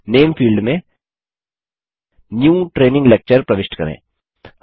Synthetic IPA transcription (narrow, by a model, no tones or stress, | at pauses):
neːmfʰiːlɖmẽ | njũːʈɾeːnɪ̃ŋɡleːk̚t͡ʃəɾpɾɐʋɪʃʈkɐɾḛ̃ː